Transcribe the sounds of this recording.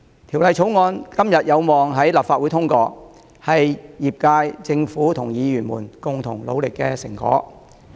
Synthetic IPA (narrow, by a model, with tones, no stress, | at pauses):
t̪ʰi˨˩wlɐ˨˧jt͡ʃʰo˨˥wŋɔː˧nkɐ˥mjɐ˨t̚jɐ˨˧wmɔː˨˩ŋɦɐ˨˥jlaː˨˩pfaː˧t̚wu˨˥t̪ʰʊ˥ŋkɔː˧ | hɐ˨jjiː˨p̚kaː˧jt͡sɪ˧ŋfuː˨˥t̪ʰʊ˨˩ŋjiː˨˧jyː˨˩nmṵː˨˩nkʊ˨ŋt̪ʰʊ˨˩ŋlo̰˨˧wlɪ˨kːɛː˧sɪ̰˨˩ŋkɔ̰ː˨˥